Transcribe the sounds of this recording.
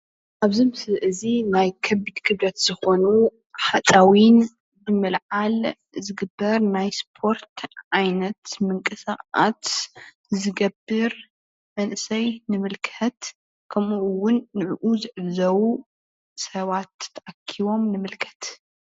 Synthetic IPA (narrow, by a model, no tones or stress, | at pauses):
ʔaβzɨmɨsɨʔɨzinajkʰɐbid̪kʰɨβlɐt̪z̥ɨxo̞nu | ħat͡sʼawin | bɨmɨlʕal | zɨɡɨbːɐɾnajspʰo̞ɾt̪ʕajnɐt̪mɨŋkʼɨsaat̪ | zɨɡɐbɨɾ | mɐnʔɨsɐjnɨmɨlkʰɐt̪ | kʰɐmuʔwʊnːɨʕʔuzɨʕɨβzɐwu | sɐβat̪t̪ʰːɐʔakʰːiβo̞mnɨmɨlkʰɐ̥t̪